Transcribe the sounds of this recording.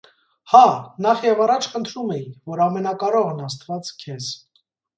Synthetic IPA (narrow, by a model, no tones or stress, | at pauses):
hɑnɑχjɛvɑrɑt͡ʃʰχənt̪ʰɾumɛjivɔɾɑmɛnɑkɑɾɔʁɛnɑst̪vɑt͡skʰɛz